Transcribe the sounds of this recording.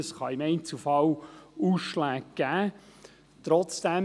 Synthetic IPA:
əsχɑɪmɛɪnt͡sufɑluːsʃlæːɡ̚ɡ̥æː | t̪ɾɔt͡sd̥æ

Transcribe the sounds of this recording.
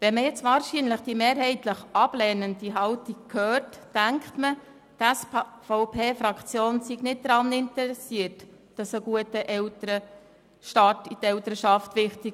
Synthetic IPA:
ʋɛnməjɛt͡sʋɑːɾʃinləχd̥imeːɾɦɛɪtləχʔɑb̥lɛːnəndiɦɑltik̚kʰhøːrtːæŋkχtmə | tæsfoʊpʰeːfɾɑkχt͡sjoːnsiɡnɪt̚d̪ɾɑnɪntɛɾɛsiət | d̥ɑsəɡuətəʔɛtəɾə | ʃtɑːtitɛwtəɾəʃɑftʋɪχtik

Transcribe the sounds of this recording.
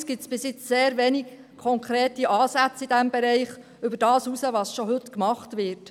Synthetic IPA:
sɡ̥ɪt͡sb̥ɪsjɪt͡sseːɾʋɛniɡ | kʰːɔŋkʰɾeːtiʔɑːsæt͡sid̥æmbɛɾɛɪχ | ʏbəɾd̥ɑːsusəʋɑsʃɔɦɵtkmɑχtʋɪɾt

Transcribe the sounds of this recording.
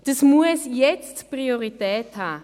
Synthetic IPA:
d̥əsmuəsjɛt͡stpʁioʁitɛːthaː

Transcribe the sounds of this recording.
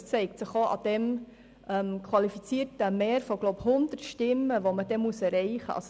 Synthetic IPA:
t͡sɛɪktsəχoʔɑ̰d̥ɛm | ʔɛmkʰwɑlifit͡siːəɾtəmeːɾfoɡloʊphʊnd̪ərtʃtɪmːəʋoməd̥ɛmusɛɾɛɪχə̰ɑ̰s

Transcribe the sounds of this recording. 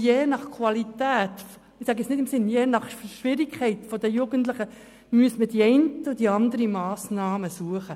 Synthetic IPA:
jeːnɑχkʰwɑlitæːt | mɪsæːɡəɛt͡ssnɪdɪmsɪnjeːnɑχʃʋɪɾikkʰɛɪt̪fɔd̪əjuːɡəntlɪχə | myəsmədiɛɪntəʊd̥iɑnd̪əɾimɑːsnɑːməsuəχə

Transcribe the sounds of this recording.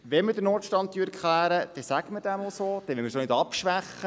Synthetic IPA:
ʋɛmədəɾnɔːrtʃtɑnt̪ːyːɾkʰχlæːɾəd̥ɛsæɡməd̥æmosoːd̥̪ɛʋɛməsonɪdɑpʃʋæχːə

